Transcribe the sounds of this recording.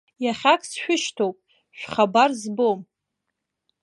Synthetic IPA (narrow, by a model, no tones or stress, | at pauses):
jaχʲakʰʼsʃᶣʷʊʃtʰowpʼ | ʃᶣʷχabarzbom